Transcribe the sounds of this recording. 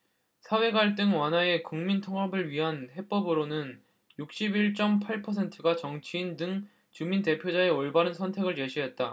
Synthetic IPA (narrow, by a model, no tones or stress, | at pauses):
sʰawe̞ɡaɭt͈ɯŋwanɦae̞kuŋmintʰʌŋʌbɯɭɥiɦanhe̞p͈ʌbɯɾonɯn | juk̚ɕ͈ibiɭt͡ɕ͈ʌmpʰaɭpʰʌsʰe̞ntʰɯɡat͡ɕʌŋt͡ɕʰiːndɯŋ | t͡ɕuminte̞pʰjod͡ʑae̞ʌɭbaɾɯnsʰʌntʰe̞ɡɯɭt͡ɕe̞ɕʰiɦe̞t̚t͈a